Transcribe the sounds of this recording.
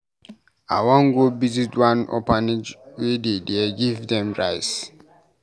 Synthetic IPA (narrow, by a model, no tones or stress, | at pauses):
a̰wɔ̃ŋɡobizitwãnɔ̰panid͡ʒwededeɡivdɛ̃mɹajs